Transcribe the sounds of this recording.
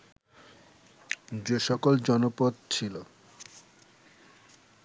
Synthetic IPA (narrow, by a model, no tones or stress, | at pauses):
d͡ʑeʃɔkold͡ʑɔnopod̪̚t͡ɕʰilo